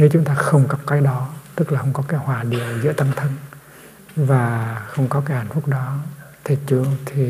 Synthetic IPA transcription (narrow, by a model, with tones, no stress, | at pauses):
ne˨˦t͡ɕʊ˨˦ŋ͡mt̪aː˧xə˧wŋ͡mka˨˦˥p̚kaː˨˦jɗɔ˨˦t̪ɨ˦˥k̚laː˨˩xə˧wŋ͡mkɔ˨˦kaː˨˦jhwaː˨˩ɗi˨˩əwzɨ̰˧˥ət̪a˧ŋt̪ʰə˧n | vaː˨˩xə˧wŋ͡mkɔ˨˦kaː˨˦jhaː˧˩ŋ̟fu˦˥k̚ɗɔ˨˦ | t̪ʰi˨˩t͡ɕu˧t̪ʰi˨˩